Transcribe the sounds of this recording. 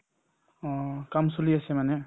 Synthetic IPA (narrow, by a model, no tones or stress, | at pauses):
kamsuliasemane